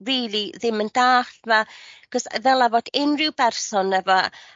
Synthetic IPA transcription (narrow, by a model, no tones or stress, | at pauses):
riːlˠiðɪməndaːɬvaɡ̥ɔsðɛlˠavɔdɪnrɪwbɛrsɔnɛvɔ